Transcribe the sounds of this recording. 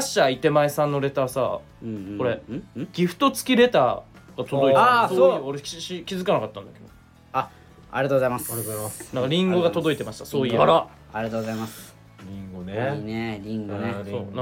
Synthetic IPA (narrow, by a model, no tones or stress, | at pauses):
aɕːait̪e̞maesãnːo̞ɾe̞t̪aːsa̰ | ko̞ɾe̞ɡ̥ʲiɸɯ̟̥t̪o̞t͡sɨ̥kʲiɾe̞t̪aː | ɡat̪od̪o̞iasoooɾeikʲizɨkanakat̪ːãnd̪aked̪o | a | a̰ɾieat̪oozaimasɾonãŋkaɾʲĩŋɡo̞ɡat̪o̞d̪o̞it̪e̞maɕi̥t̪asoːiɾo | aɾieat̪oːɡozaimas | ɾʲĩŋɡonenɾʲiŋɡoneoːnã